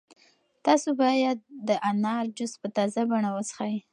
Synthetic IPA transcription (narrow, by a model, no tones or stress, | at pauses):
t̪ɑsobɑjad̪̚d̪ːəʔanɑɾd͡ʒʊspət̪ɑzabaɳawəsə̥xaj